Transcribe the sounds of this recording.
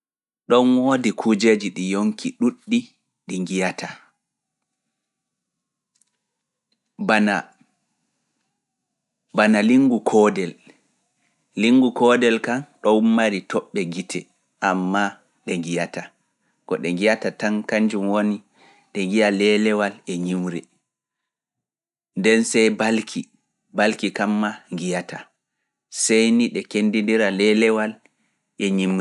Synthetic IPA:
ɗɔnwoːdikʰud͡ʒed͡ʒiɗijoŋkʰiɗuɗːi | ɗiŋɡijatʰa | bana | banaliŋɡukʰɔdɛl | iŋɡukɔːdɛlkanɗɔumːaɾitʰɔɓːɛɡitʰɛ | ʔamːa | ɗɛŋɡijata | kɔɗɛŋɡijatataŋkaɲd͡ʒumwoni | ɗɛŋɡijalɛlɛwalɛɲimɾɛ | ndɛnsɛjbalkʰi | balkikamːaŋɡijata | sɛjniɗɛkendindiɾalɛlɛwal | ʔɛɲimɛ

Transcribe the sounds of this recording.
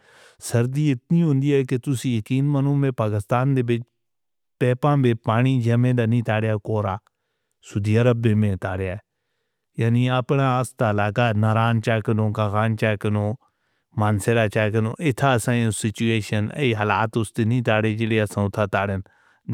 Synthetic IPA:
səɾd̪iːɪt̪nĩːɦʊ̃ːnd̪iːɛːket̪ʊsiːjəkiːnmənũːmẽːpaːkɪst̪aːnd̪eːbɪt͡ʃ | pɛːpãːbeːpaːɽ̃iːd͡ʒəmẽːd̪aːnĩːt̪aːɽjaːkoːɾaː | sʊːd̪iːəɾəbːẽːmẽːt̪aːɽjaː | jaːniːəpnãːəst̪aːlaːkaːnaɾaːnt͡ʃaːkənõːkaːɣaːnt͡ʃaːkənõː | maːnseɾaːt͡ʃaːkənõ̰ːʔɪt̪ʰːaːsãːõsɪt͡ʃueːʃənḛiɦəlaːt̪ʊst̪eːnĩːt̪aːɽeːd͡ʒeːɽeːəsãːʊt̪ʰaːt̪aːɽən

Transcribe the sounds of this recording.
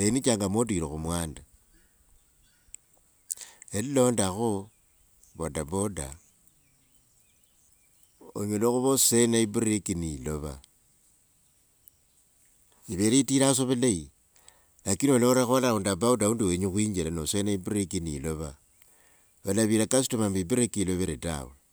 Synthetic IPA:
enit͡ʃaːŋɡamoduiɾoxumwaːnda | elilo̞ndaxo | βodaboda̰ | oɲeloxuβosenaibuɾikiniloβa̰ | iβeɾeitiɾas̬oβelai | lakinoloɾaxolaundabaudauːnduweɲuxwiːɲd͡ʒilanosenaibuɾekiniloβa | olaβiɾakasi̥tomamibuɾekiiloβeɾeta̰we

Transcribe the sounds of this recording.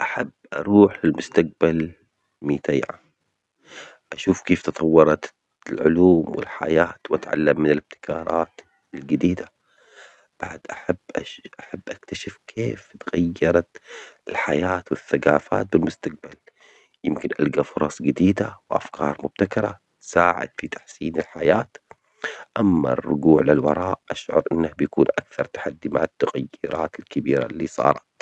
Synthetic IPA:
ʔaħabːʔɑɾˤuːħɪlmʊst̪aq̚bal | miːt̪ajʕa̰ | ʔaʃuːfkeːft̪ɨt̪ˤɑwːɑɾˤɑt̪ | lʕʊ̰luːmwɪ̰lħa̰jaːt̪wʔat̪ʕa̰lːamːɪnɪlɪb̚t̪ɪ̥kʰɑːɾˤʔɑːt̪ | ɪlɡɪd̪iːd̪a | b̥aʕd̪ʔaħabːʔaʔaħabːʔakt̪aʃɪfkʰeːft̪ɣajːɑɾˤɑt̪ɪlħajaːt̪wɪθːaɡaːfa̰ːt̪̚bɪlmʊst̪aq̚bal | jɪmkɪnʔalɡafʊɾˤɑsˤɡɪd̪iːd̪awʔa̰fkʰɑːɾˤmʊb̥̚t̪akɑɾˤɑ̰ | t̪saːʕɪ̰d̪̥fit̪ḁħsiːnɪlħajaːt̪ | ʔamːa̰rːʊ̰ɡuːʕlɪlwɑ̰ɾˤɑːʔʔaʃʕʊ̰ɾˤʔɪnːahbjakuːnʔakθɑɾˤt̪ḁħad̪ːima̰ʕat̪ːaɣajːɪɾʔɑːt̪ɪlkabiːɾa̰lːisˤɑ̰ːɾˤɑt̪

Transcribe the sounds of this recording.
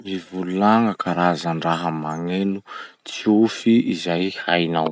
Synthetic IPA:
mivuluaŋəkʰaɾazaɳɖ͡ʐaɦəmaŋenu | t͡siufiizajhajnaw

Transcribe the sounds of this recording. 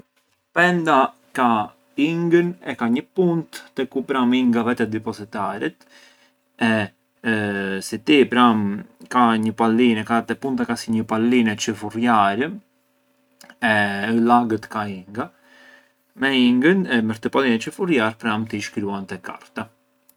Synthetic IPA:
pɛnd̪a | ka | iŋɡənɛkaɲəpunt̪ːɛkupɾamiŋɡavɛt̪ɛd̪ipɔzit̪aɾɛt̪ | ɛ | sit̪ipɾamkaɲəpalinɛkat̪ɛpunt̪akasiɲəpalinɛt͡ʃəfurjaɾə | ɛlaɡət̪kaiŋɡa | mɛiŋɡənɛməɾt̪əpalinɛt͡ʃəfuɾjaɾpɾamt̪iʃkɾuant̪ɛka̰ɾt̪a

